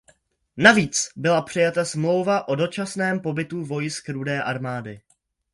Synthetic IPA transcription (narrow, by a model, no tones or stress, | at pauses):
naviːt͡sbɪlapr̝̥ɪjat̪asmlo̞wvaʔo̞do̞t͡ʃasnɛːmpo̞bɪt̪uvo̞jɪskɾudɛːʔaɾmaːdɪ